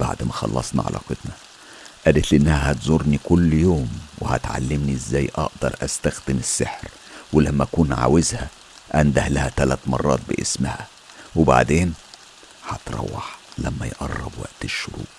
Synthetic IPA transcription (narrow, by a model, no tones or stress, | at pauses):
b̥aʕd̪mæxɑ̰lˤːɑ̰sˤnɑ̰ʕa̰lʔæ̰qed̪nɑ | ʔæːd̪et̪lʔenːæhæhæt̪zˤoɾnikʊlːjoːmwehæ̰t̪ʕa̰lːɪmniʔɪzːæːjːʔɑ̰ʔd̪ɑɾˤʔæst̪æxd̪ɪmɪsːeħɾ | wɪlæmːæʔækuːnʕa̰wɪzhæ | ʔænd̪æhlæhæt̪ælæt̪mɑrˤːɑ̰ːt̪̚bɪʔɪsmhæ | weba̰ʕd̪eːn | hɑt̪ɾˤɑ̰wːɑħlæmːæjʔɑrˤːɑ̰bwæ̰ʔt̪ɪʃːʊɾṵːʔ